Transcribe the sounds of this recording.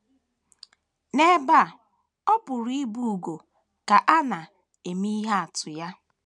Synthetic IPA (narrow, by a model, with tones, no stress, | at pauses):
ne˦ba˦˨ | ɔ˦pʊ˨ɾi˦bu˦u˨ɡo˨ | ka˨ʔa˦na˨ | e˨mi˦i˦ɦa˦a˨tʊ˨ja˦